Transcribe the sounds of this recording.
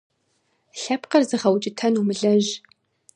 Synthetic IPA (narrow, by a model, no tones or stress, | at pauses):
ɬɐpqɐrzɨʁɐwt͡ʃʼɪtʰɐnumɨɮɐʒ